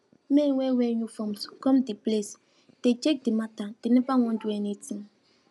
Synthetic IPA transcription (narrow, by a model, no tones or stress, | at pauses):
menweweɲufɔmskɔmdiples | d̥ed͡ʒek̚dimatad̥inibaŋɔnduɛnetim